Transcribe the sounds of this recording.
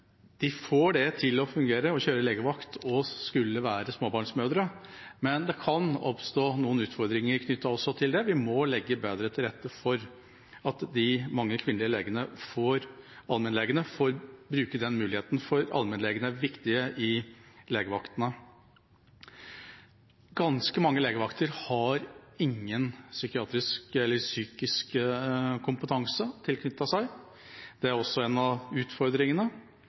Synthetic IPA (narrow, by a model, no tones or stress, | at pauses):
d̪̥ɪfoːɖɛt̪ʰɪlɔfʉŋɡeːɾəɔçøːɾəleːɡəʋɑkt̪ʰɔskʉlːəʋæːɾəsmoːbɑːɳʂmøːd̪ɾəmɛnd̪ɛkʰɑnɔ̰pst̪oːnuːənʉːt̪fɔɾd̪ɾɪŋəɾkʰnʏt̪ʰːɑɔsːɔt̪ʰɪld̪ɛʋɪmɔlɛɡːəbeːd̪ɾət̪ʰɪlɾɛt̪ːəfɔɾ | ɑt̪d̪ɪmɑŋːəkʰʋɪnlɪəleːɡənəfoːɾɑlmɛnleːɡənəfoɾbɾʉːkəd̪ɛnmʉːlɪheːt̪nfɔɾɑ̰lmɛnleːɡənəæʋɪkt̪ɪəʔɪleːɡəʋɑkt̪ənə | ɡɑnskəmɑŋːəleːɡəʋɑkt̪ʰəɾhɑɾɪŋːənsʏkɪɑːt̪ɾɪskɛlːəɾsyːkɪsk | kʰʊmpət̪ʰɑŋsət̪ʰɪlkʰnʏt̪ːɑsæɪ | d̪̥ɛæɾɔsːɔɛnɑʉːt̪fɔɾd̪ɾɪŋənə